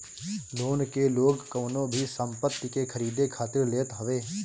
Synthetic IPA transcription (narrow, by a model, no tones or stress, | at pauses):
loːnkeloːɡkəːnõbʱisə̃mpət̪ːɪkekʰəɾiːd̪ekʰaːt̪ɪɾleːt̪ɦəʋeː